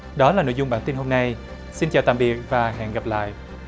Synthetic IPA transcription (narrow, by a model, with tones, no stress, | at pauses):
ɗɔ˨˦laː˨˩no̰˧˨jzʊ˨˩ŋ͡mɓaː˧˩nt̪i˧nɦo˧mna˧j | si˧nt͡ɕaː˨˩wt̪a̰˧˨mɓi˨˩ək̚vaː˨˩ɦɛ̰˧˨nɣa˨˩p̚la̰ː˧˨jʔ